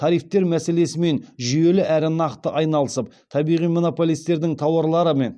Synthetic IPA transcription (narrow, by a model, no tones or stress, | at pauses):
t̪ʰɑɾijft̪e̞ɾmæse̞le̞sɪme̞nʒʏje̞lɪʔæɾɪnɑqt̪əʔɑjnɑlˠəsəp̚ | t̪ʰɑbijʁijmo̞no̞po̞lijst̪e̞ɾd̪ɪŋt̪ʰɑwɑɾlˠɑɾəme̞n